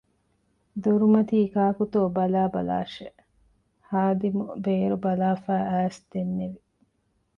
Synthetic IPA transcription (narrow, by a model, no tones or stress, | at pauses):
d̪oɾumɐt̪iːkaːkut̪oːbɐlaːbɐla̰ːʃe | haːd̪imubeːɾubɐlaːfæːæːsd̪enːeʋi